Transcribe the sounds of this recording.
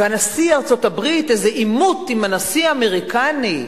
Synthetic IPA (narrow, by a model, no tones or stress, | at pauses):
vanasiaʁt͡so̞tabʁit̪ezeʔimut̪imanasiameʁikani